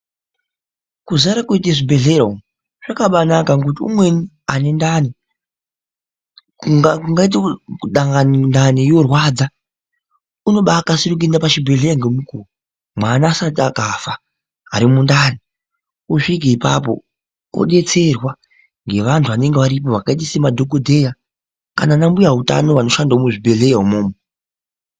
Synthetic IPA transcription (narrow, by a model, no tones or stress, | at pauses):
kuzaɾakuiteʐibʱe̞ɮe̞ɾoŋ | ʐ̥akaɓanakaŋkut̬iṵmwe̞ni | ane̞ndani | auŋɡait̬euɗaŋɡanindanijo̞rwaːd͡za | uno̞ɓaːkasirik̬uendapaʃibʱe̞ɮeɾaŋɡemukuu | mwanaːsatakafa | aɾimundaːni | uʂik̬iipap̬o̰ | o̰ɗe̞t͡se̞rwa | ŋɡe̞ʋantʰuʋane̞ŋɡeʋaɾip̬o̞ʋakait̬isemadʱo̞ɡodʱe̞ja | ka̰nanambujaɦuta̰no̞ʋano̞ʃandaomuʐibʱe̞ɮe̞jaɦumoːmo